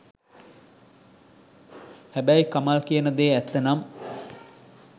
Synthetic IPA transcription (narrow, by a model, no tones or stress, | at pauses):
hæbæjkamalkijənəd̪eːæt̪ːenam